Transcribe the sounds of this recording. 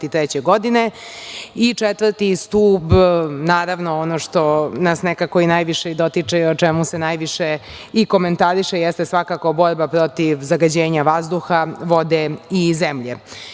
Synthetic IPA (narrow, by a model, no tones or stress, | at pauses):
t̪it̪ɾɛt͡ɕeɡo̞d̪ine | it͡ʂet̪ʋəɾt̪ist̪uːbnaːɾaʋnoonoʂt̪o̞nasnekakoinajʋiʂeid̪o̞t̪it͡ʂeeot͡ʂemusenajʋiʃe | iko̞ment̪aɾiʃejest̪esʋakako̞bo̞ɾbapɾo̞t̪iʋzaɡad͡ʑeːɲaʋazd̪uxaʋo̞d̪eizemʎe